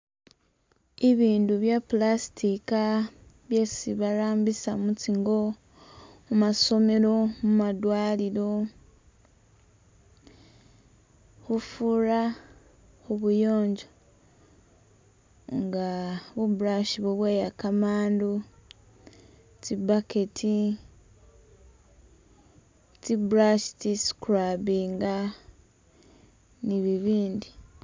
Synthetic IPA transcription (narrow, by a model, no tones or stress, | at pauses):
iβiːnduβjaplasi̥tikaβjesiβaɾaːmbisamut͡siŋɡo̞ | mumaso̞me̞ɾo̞mumadwaːliɾo̞ | hufuɾa | huβujo̞ːɲɟo | ŋɡaβubuɾaʃiβoβweːjakamaːndu | tibaketʰi | tibuɾaʃi̥tisu̥kuɾabiːŋɡa | niβiβiːndi